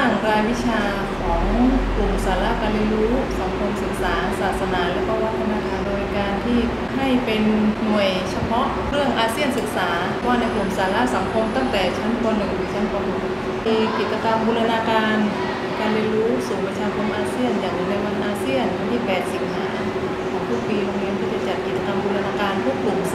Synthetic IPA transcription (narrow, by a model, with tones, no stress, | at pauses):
aː˥˩ŋɾaː˧jwi˦˥t͡ɕʰaː˧ | kʰɔː˩˦ŋku˨˩msaː˩˦la˦˥ʔkaː˧nli˧ɾuː˦˥sa˩˦ŋkʰo˧msɯ˨˩k̚saː˩˦saː˨˩t̪̚sa˧˥naː˩˦lɛː˦˥kɔː˥˩wa˦˥t̪ʰa˧naː˧˩kʰaː˧ndoː˧jkaː˧nt̪ʰiː˥˩ | ha˥˩jpe˧nːu˨˩əjt͡ɕʰa˧pʰɔ˦˥ʔkʰɾɯ˥˩əŋʔaː˧si˥˩ənsɯ˨˩k̚saː˩˦˧waː˥˩na˧jklu˨˩msaː˩˦la˦˥sa˩˦ŋkʰo˧mt̪a˥˩ŋt̪ɛː˨˩t͡ɕʰa˦˥nkʰo˧nːɯ˨˩ŋnɯ˨˩˦t͡ɕʰa˦˥npa˧mʰo˨˧˩t̪̚ | jki˨˩t͡ɕa˧ka˧mbuː˧la˧naː˧kaː˧n | kaː˧nɾi˧nɾuː˦˥suː˨˩ŋpa˧t͡ɕʰaː˧kʰo˧mʔaː˧si˥˩ənjaː˨˩ŋju˧˩na˧jwa˧nʔaː˧si˥˩ənju˧nt̪ʰiː˥˩pɛː˨˩t̪̚si˨˩p̚haː˩˦ | kʰɔː˨˦ŋpʰu˥˩k̚piː˧lo˧ŋli˦˥npʰuː˥˩t͡ɕa˧˩t͡ɕa˨˩t̪̚ki˨˩t̪̚t͡ɕa˧ka˧mbuː˧la˧naː˧kaː˧npʰuː˥˩klu˨˩m